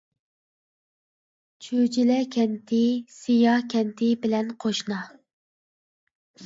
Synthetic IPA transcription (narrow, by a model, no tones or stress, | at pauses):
t͡ʃʰød͡ʒilɛkʲʰɛnt̪ʰɪsijɑkʲʰɛnt̪ʰɪbɪlɛnqʰoʃnɑ